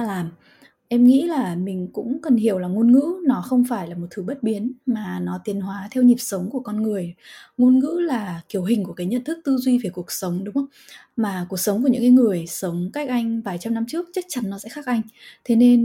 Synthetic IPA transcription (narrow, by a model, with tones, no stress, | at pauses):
laː˨˩m | ʔɛ˧mŋḭ˧˥laː˨˩mï˨˩ŋ̟kʊ̰˧˥ŋ͡mkə˨˩nhi˧˩əwlaː˨˩ŋo˧nŋɨ̰˧˥nɔ˨˦xə˧wŋ͡mfaː˧˩jlaː˨˩mo˨˩t̚t̪ʰɨ˨˦ɓə˦˥t̚ɓi˨˦ənmaː˨˩nɔ˨˦t̪i˨˩ənɦwaː˨˦t̪ʰɛ˧wɲi˨˩p̚sə˨˦wŋ͡mku˧˩əkɔ˧nŋɨ˨˩əjŋo˧nŋɨ̰˧˥laː˨˩ki˨˩əwɦï˨˩ŋ̟ku˧˩əkaː˨˦ɲə̰˧˨nt̪ʰɨ˦˥k̚t̪ɨ˧zwi˧ve˨˩ku˨˩ək̚sə˨˦wŋ͡mɗʊ˨˦ŋ͡mʔə˧wŋ͡mmaː˨˩ku˨˩ək̚sə˨˦wŋ͡mku˧˩ɲɨ̰˧˥ŋkaː˨˦jŋɨ˨˩əjsə˨˦wŋ͡mka˦˥jk̟̚ʔa˧jŋ̟vaː˨˩jt͡ɕa˧mna˧mt͡ɕɨ˦˥ək̚t͡ɕə˦˥k̚t͡ɕa˨˦nːɔ˨˦sɛ̰˧˥xaː˦˥k̚ʔa˧jŋ̟t̪ʰe˨˦ne˧n